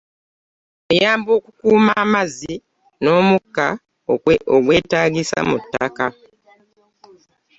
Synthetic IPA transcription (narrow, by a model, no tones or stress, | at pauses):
ejaːmbo̞ːkukuːmaːmazi | no̞ːmukːa | oɡwe̞ːtaːɡisa̰mutːaka